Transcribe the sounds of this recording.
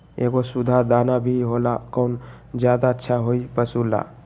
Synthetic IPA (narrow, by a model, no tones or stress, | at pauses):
eɡosud̪ʱad̪anabʱiɦolakəʊn | d͡ʒjad̪aətːʃʰaɦoipəsula̰